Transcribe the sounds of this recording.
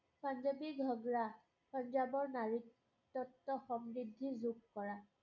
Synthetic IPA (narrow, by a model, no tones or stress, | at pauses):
pand͡ʒabiɡʱɔɡɹa | pɔnd͡ʒabɔɹnaɹitː | ɔtːɔxɔmɹidʱːizukkɔɹa